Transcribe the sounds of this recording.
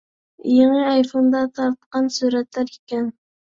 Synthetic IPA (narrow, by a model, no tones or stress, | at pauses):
jeŋɨɑjfond̪ɑt̪ʰɑɾt̪qɑnsuɾɛt̪læɾekʲɛn